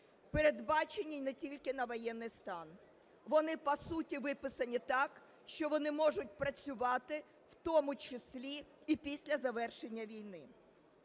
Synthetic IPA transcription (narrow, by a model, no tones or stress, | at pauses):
peɾe̞d̪bɑt͡ʃenʲːijnɛtʲilʲkɪnɐʋɔjɛnːɪjst̪ɑn | ʋɔnɪpɐsutʲiʋɪpɪsɐnʲit̪ɑk | ʃt͡ʃɔʋɔnɪmɔʐʊtʲpɾɐt͡sʲʊʋɑt̪ɪ | wt̪ɔmʊt͡ʃɪsʲlʲiipʲisʲlʲɐzɐʋɛrʃenʲːɐʋʲijnɪ